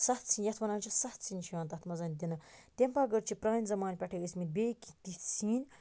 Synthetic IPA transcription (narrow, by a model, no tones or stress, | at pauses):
sɐt̪ʰt͡sʰiːnjɐt̪ʰmɐnaːnt͡ʃʰisɐt̪ʰt͡sʰinʲt͡ʃʰiãːnt̪ɐt̪ʰmɐzɐnd̪inɐt̪ʲempaɡəɾt͡ʃʰipɾaːnʲzɐmaːnʲpʲɐʈʰekismit̪̚bʲekit̪it̪t͡siːnʲ